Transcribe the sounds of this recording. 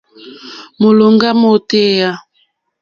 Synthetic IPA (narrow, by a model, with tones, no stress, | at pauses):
mo˨lo˨ŋɡa˦mo˦˨te˦ja˦